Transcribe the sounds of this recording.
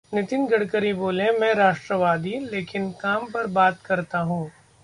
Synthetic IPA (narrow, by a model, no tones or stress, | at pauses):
nɪt̪ɪnɡɐɽkəɾiboːlẽmɛ̃ːɾaːʃʈɾəʋaːd̪ileːkɪnkaːmpɐɾbaːt̪kɐɾt̪aɦũː